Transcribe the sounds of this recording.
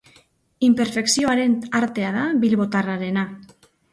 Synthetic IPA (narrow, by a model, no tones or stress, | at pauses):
impeɾfeksjoaɾent̪aɾt̪eaðabilβot̪araɾena